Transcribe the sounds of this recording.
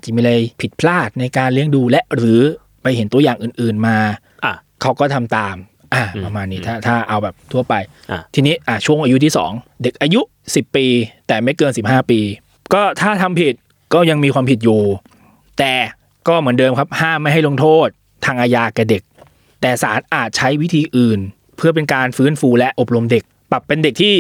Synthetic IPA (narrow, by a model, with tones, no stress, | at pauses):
t͡ɕa˨˩miː˧ɾa˧jpʰi˨˩t̪̚pʰlaː˥˩t̪̚na˧jkaː˧nli˧˥˩əŋduː˧lɛ˦˥ʔɾɯː˩˦ | pa˧jhe˨˩˦nt̪u˧ɐjaː˨˩ŋʔɯː˨˩nʔɯː˨˩nmaː˧ | kʰa˦˥wkɔː˥˩t̪ʰa˧mt̪aː˧m | ʔaː˨˩pɾa˧maː˧nːiː˦˥t̪ʰaː˥˩t̪ʰaː˥˩ʔa˧wbɛː˨˩p̚t̪ʰu˥˩ɐpa˧j | t̪ʰiː˧niː˦˥ʔa˧˩t͡ɕʰu˥˩əŋʔaː˧ju˦˥t̪ʰiː˥˩sɔ̰ː˩˦ŋde˨˩k̚ʔaː˧ju˦˥ʔ | si˨˩pːiː˧t̪ɛː˨˩ma˦˥˩jkɤː˧nsi˨˩p̚haː˥˩piː˧ | kɔː˥˩t̪ʰaː˥˩t̪ʰa˧mpʰi˨˩t̪̚ | kɔː˥˩ja˧ŋmiː˧kʰwaː˧mpʰi˨˩t̪̚juː˨˩ | t̪ɛː˨˩ | kɔː˥˩mɯ˩˦əndɤː˧mkʰa˦˥p̚haː˥˩mːa˥˩jɦa˥˩jlo˧ŋt̪ʰoː˥˩t̪̚ʰːaː˧ŋʔaː˧jaː˧ka˨˧˩de˨˩k̚ | t̪ɛː˨˩saː˩˦nʔaː˨˩t̪̚t͡ɕʰa˦˥jwi˦˥t̪ʰiː˧ʔɯː˨˩n | pʰɯ˥˩ɐp̬e˧nkaː˧nfɯː˦˥˨nfuː˧lɛ˦˥ʔo˨˩p̚ɾo˧mde˨˩k̚pla˨˩pːe˧nde˨˩k̚t̪ʰiː˥˩